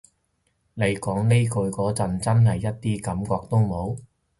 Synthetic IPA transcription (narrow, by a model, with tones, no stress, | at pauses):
ne˨˧jkɔː˨˥ŋne˥kʰɵ˨˧kɔː˨˥t͡sɐ˨nt͡sɐ˥nɦɐ˨jːɐ˥t̚t̪iː˥kɐ˨˥mkɔː˧k̚t̪o˥wmo˨˥w